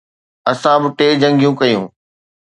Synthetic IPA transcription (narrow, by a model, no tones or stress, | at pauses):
ɐsãbɪʈeːd͡ʑɐ̃ŋɡijũkɐjṵ̃ː